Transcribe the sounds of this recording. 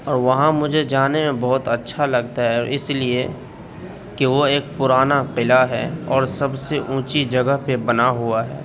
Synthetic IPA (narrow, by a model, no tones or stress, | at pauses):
ɔːɾʋɐɦãmʊd͡ʒʱed͡ʒaːnemẽbɔɦʊt̪ɐtːʃʰalɐɡt̪aɦɛɪslie | kiʋoeːk̚pʊɾaːnaqɪlaɦɛːɔːɾsɐbseʔũːt͡ʃid͡ʒɐɡəɦpebɐnaɦuaɦɛː